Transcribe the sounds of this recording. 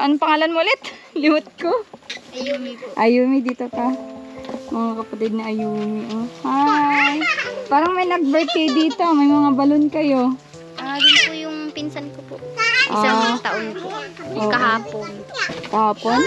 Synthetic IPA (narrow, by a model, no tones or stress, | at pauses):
ʔɐnpɐŋaːlɐnmʊlɛt̪lɪwʊt̪̚koɐjʔɐjuːmɪd̪iːt̪okɐ | mɐŋakɐpɐt̪ɪd̪̚nɐʔɐjuːmɪʔohajpaːɾɐŋmɐjnɐɡ̚bɐɹt̪ɛd̪iːt̪omɐjmɐŋabɐlonkɐjo | dɪnpʊjʊŋpɪnsankopoʔoat̪aʔonpoʔokɐhaːponk̪ɐhaːpon